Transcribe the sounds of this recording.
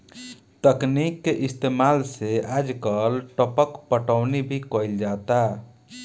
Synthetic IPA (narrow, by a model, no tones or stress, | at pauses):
t̪əknikːeʔist̪emalsead͡ʒkəlʈəpəkpəʈəʊnibʱikəild͡ʒat̪a